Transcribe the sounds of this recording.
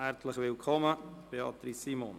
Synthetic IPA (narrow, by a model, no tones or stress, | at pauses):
æɾtləχvɪlkʰɔməb̥eɑ̰tɾisːimon